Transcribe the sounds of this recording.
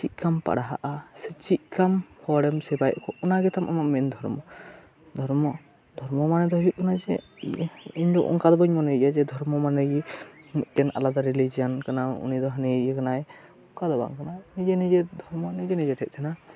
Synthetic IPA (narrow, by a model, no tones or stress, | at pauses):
t͡ʃit̪̚ˀkampa̰ɽaɦa̰ʔasɛt͡ʃit̪̚ˀkamhɔɽɛmsɛbajʔkɔʔɔnaɡɛt̪amʔa̰maʔmɛnd̪ʱɔɾmɔ | d̪ʱɔɾmɔ | d̪ʱɔɾmɔmanɛd̪ɔɦɔjuʔ̚kanad͡ʒɛ | iɲd̪ɔʔɔ̰ŋkad̪ɔbaɲmɔnɛjiʔjad͡ʒɛd̪ʱɔɾmɔmanɛjmit̪̚ˀkɛna̰lad̪aɾilid͡ʒiankanaṵnid̪ɔɦanijakanaj | ɔŋkad̪ɔba̰ŋkananid͡ʒɛnid͡ʒɛd̪ʱɔɾmɔnid͡ʒɛnid͡ʒɛʈʰɛt̪̚t͡ʃʰɛna